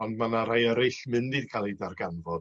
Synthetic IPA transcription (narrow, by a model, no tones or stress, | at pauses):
ɔndmanaɾajəɾɪɬmɨndid̥kʰalˠidarɡanvɔd